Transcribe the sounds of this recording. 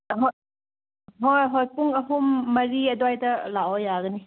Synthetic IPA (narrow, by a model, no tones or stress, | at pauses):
ɦɔ | ɦojɦɔjpuŋɐɦumːɐɾiɐdɔajdɐlaɔjaɡɐni